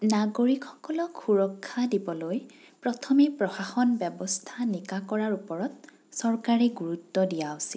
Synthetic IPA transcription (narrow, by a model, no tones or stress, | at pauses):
naɡoɹikʰxɔkɔlɔkxʰuɹɔkʰːadibɔloj | pɹɔtʰɔmepɹɔxaxɔnbɛbɔstʰanikakɔɹaɹupɔɹɔt̚ | sɔɹkaɹiɡuɹutːɔdijawʊsil